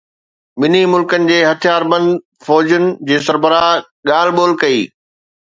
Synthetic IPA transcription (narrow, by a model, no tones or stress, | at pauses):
mɪnimʊlkənɪ̆d͡ʑeːɦɐt̪ʰijaːɾbɐ̃nd̪ | fɔːd͡ʑənɪ̆d͡ʑeːs̬ɐɾbəɾaː | ɠaːlɓoːlkɐḭː